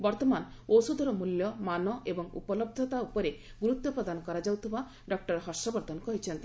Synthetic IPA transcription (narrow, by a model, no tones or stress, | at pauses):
bɔɾt̪ɔmanowsud̪ʱɔɾɔmuljɔmanɔʔebɔŋṵpɔlɔb̚d̪ʱɔt̪aupɔɾeɡuɾut̪ːɔpɾɔd̪anɔkɔɾad͡ʒawt̪ʰiba | ɖɔk̚ʈɔɾɦɔsɔbɔɾt̪ɔnkɔɦit͡ʃʰent̪i